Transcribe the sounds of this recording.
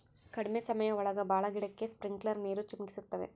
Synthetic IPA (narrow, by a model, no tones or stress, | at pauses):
kɐɽimesɐmɐjɐɔɭɐɡɐbaːɭɐɡiɽɐkːe̞spɾiŋɡɭɐɾneːɾut͡ʃimɡisut̪ːɐʋḛ